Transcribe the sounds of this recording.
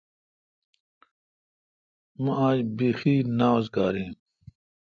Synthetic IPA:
mãaːd͡ʑbiːxiːnaːzɡaːɾĩː

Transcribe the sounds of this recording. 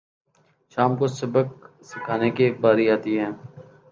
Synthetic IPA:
ʃaːmkosəbək̚ | sɪkʰaːnekebaːɾiaːt̪iɦɛ̃ː

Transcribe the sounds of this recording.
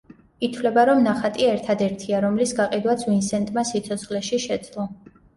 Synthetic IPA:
it̪ʰvlɛbaɾɔmnaχat̪ʼiɛɾt̪ʰad̪ɛɾt̪ʰiaɾɔmlisɡaqʼid̪wat̪sʰvinsɛnt̪ʼmasit̪sʰɔt̪sʰχlɛʃiʃɛd̪z̥ʼlˠɔ

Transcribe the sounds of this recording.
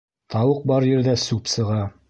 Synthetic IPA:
t̪ʰɑwɤq̚bɑɾjɘ̆ɾðæsʉpsɤ̆ʁɑ

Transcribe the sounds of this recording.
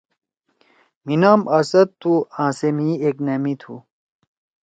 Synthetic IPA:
minaːmɐsɐt̪̚t̪ʰːuãːsemieknɐmit̪ʰu

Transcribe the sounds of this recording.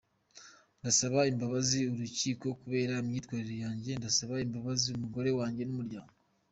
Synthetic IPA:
ndasaβaimbaβaziuɾuciːko̞kuβe̞ːɾaimɲiːtkwaːɾiɾo̞jaːɲɟe̞ndasaβaimbaβaziumuɡo̞ɾe̞waːɲɟe̞numuɾɟaːŋɡo

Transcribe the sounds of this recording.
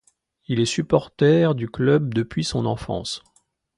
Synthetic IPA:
ilɛsypɔʁt̪ɛʁd̪yklœb̚d̪əpɥisɔ̃nɑ̃fɑ̰̃s

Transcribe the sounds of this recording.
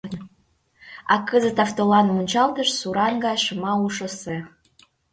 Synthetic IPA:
ɑkəzət̪ɑft̪olɑnmunʲt͡ɕɑlt̪əʃsuɾɑnɡɑjʃəmɑuʃə̆se

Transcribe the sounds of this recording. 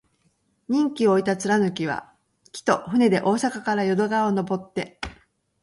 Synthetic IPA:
ɲ̟ĩŋkʲio̞it̪at͡sɨɾanɯ̟kʲiβ̞a̰ | kʲi̥t̪o̞ɸɯ̟ne̞d̪e̞ʔo̞ːsakakaɾajo̞d̪o̞ɡaono̞bo̞t̪ːe̞

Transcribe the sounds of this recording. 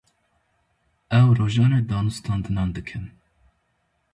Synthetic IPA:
ɛwroːʒɑːneːd̪ɑːnust̪ʰɑːnd̪ɨnɑːnd̪ɨkʰɨn

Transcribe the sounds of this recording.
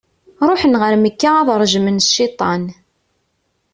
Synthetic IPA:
ɾˤoħənʁəɾməkːaːðɾˤʒmənːit̪ˤɑn

